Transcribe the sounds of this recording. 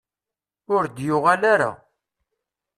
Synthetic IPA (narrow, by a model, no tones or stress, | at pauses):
ʊɾd̪jʊʁalaɾa̰